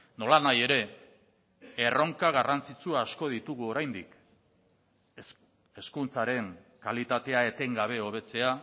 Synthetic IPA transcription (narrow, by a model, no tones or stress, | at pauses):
no̞lanaje̞ɾe̞ | ero̞ŋkaɣ̞arant͡sit͡suaːsko̞ðit̪uɣ̞uo̞ɾajnd̪ḭk | e̞skunt͡saɾe̞ŋkalit̪at̪e̞ae̞t̪e̞ŋɡaβ̞e̞o̞βe̞t͡se̞a